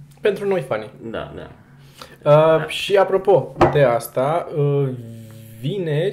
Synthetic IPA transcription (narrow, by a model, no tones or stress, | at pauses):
pe̞nt̪ɾuno̞jfanid̪a̰d̪a̰ | əʃiapɾo̞po̞d̪e̞ast̪aə | vine̞